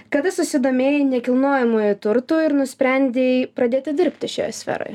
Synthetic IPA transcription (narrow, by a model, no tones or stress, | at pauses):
kɐd̪ɐsʊsʲɪd̪oːmʲeːjɪnʲɛkʲɪlˠnoːjɛmujʊt̪ʊɾt̪uːɪɾnʊsʲpʲɾʲɛnʲd̪ʲepɾɐd̪ʲeːt̪ʲɪd̪ʲɪɾʲpʲt̪ʲɪʃʲo̰ːjsʲfʲɛ̰ɾo̰ːj